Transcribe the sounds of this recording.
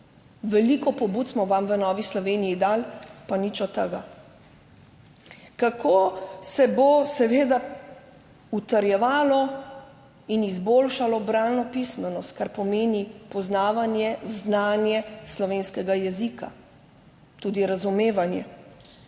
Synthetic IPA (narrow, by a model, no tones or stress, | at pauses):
ʋɛlikɔpɔbuːt̪smɔʋamʋənɔːʋislɔʋeːnijid̪aːlpanit͡ʃɔt̪əɡa | kakʰoːsɛbosɛʋeːd̪a | ut̪əɾjɛʋaːlɔ | inizboːlʃalɔbɾaːnnɔpismɛnɔst̪̚kaɾpɔmeːnipɔznaːʋanjɛznaːnjɛslɔʋeːnskɛɡajɛzika̰ | t̪uːd̪iɾazumeːʋanjɛ